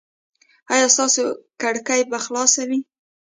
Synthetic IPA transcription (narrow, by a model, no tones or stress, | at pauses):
ɑjɑst̪ɑsokaɽkajbaxlɑsawi